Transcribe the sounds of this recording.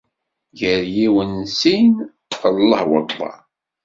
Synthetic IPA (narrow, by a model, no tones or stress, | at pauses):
ʝəɾjiwənsin | θəlˤːə̰hwə̰t̪ˤlˤɑ̰